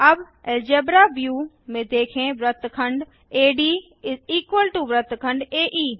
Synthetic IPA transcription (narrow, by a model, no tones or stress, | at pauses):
ɐb | ɛld͡ʒeːbɾaːbjuː | mẽːd̪eːkʰẽʋɾət̪kʰə̃ɳɖ | eːɖiː | ɪziːkwəlʈuʋɾət̪kʰə̃ɳɖeːʔiː